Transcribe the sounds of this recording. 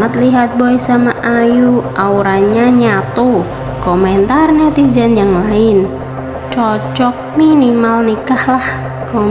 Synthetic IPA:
ŋat̪liɦat̪̚boɛsamaʔajuʔauɾaɲaɲat̪u | kɔmɛnt̪arnat̪id͡ʒanjaŋlaɪn | t͡ʃɔt͡ʃɔk̚minimalnikahlah | kɔ

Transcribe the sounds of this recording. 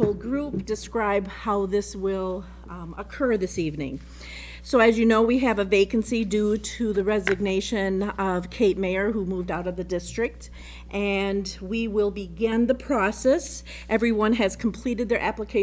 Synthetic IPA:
oʊlˠɡɹup̚d̥ɨskɹaɪbhaʊðɪswɪlˠ | əkʰɜ˞ðɪsivnɪ̰̃ŋ | soʊɨzjɨnoʊwiɨvəveɪkɨ̃n̩sidʉɾɨðɨɹɛzɨɡ̚neɪʃɨ̃nʌv̥kʰeɪt̚meɪə˞ɦumuvdaʊɾʌvðɨdɪstɹ̥ɨk̚t | ʔɨ̃nwiwɪlˠbɨɡɪ̃nðəpʰɹ̥ɔsɛs | ʔɛvɹiwʌ̃nɨz̥kʰm̩pʰl̥iɾɨd̪̚ðə˞ʔæpləkʰeɪ

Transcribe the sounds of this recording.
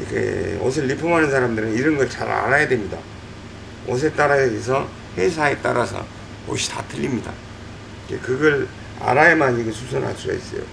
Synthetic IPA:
ikʰḛos̬ʰɯɭːipʰomɦanɯns̬ʰaɾamdɯɾɯniɾʌnɡʌɯt͡ɕa̰ɾa̰ɾajadwe̞mɲida̰ | ʌs̬ʰet͈aɾajadees̬ʰʌ | he̞s̬ʰae̞t͈a̰ɾasʰʌ̰ | o̰ɕʰi̥tatʰɯʎːimɲida̰ | kḛkɯɡʌɾ | a̰ɾajemaɲiɡesʰusʰonɦa̰s͈uɡa̰is͈ʌjo̰

